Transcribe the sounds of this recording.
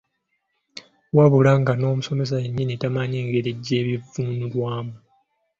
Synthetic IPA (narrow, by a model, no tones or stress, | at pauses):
waβulaŋɡano̞ːmuso̞me̞s̬aeɲːinetamaɲeːŋɡe̞ɾeɟːe̞ːβivuːnulwaːmu